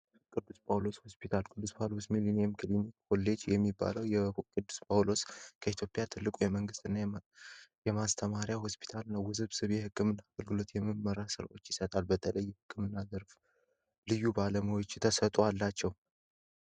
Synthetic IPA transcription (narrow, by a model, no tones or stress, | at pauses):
kʼɨd̪ːuspʰʼawlo̞sho̞spʰit̪ʰalkʼɨd̪ːuspʰawlosmiliniɛmkʰɨlinikolːe̞d͡ʒjɛmːibːa̰ləwjɛkʼɨd̪ːu̥spʼʰawlo̞skʰəit̪ʰjo̞pʼjat̪ʰɨlːɨkʼujɛməŋɡɨst̪ɨnːa | jɛmast̪ʰəmaɾijahospʰi̥t̪ʰalɨnːawɨzɨβsɨβjɛhɨkʼːɨmɨnːaːɡəlɡɨlo̞t̪jɛmːɨmːəɾasɨɾa̰ʔo̞t͡ʃːjɪsət̪ʼalbət̪ʰələjːɛhɨkʰʼːɨmɨnːazəɾf | lɨjːubaləməwot͡ʃːt̪ʰəsət̪ʼoalːat͡ʃːɛw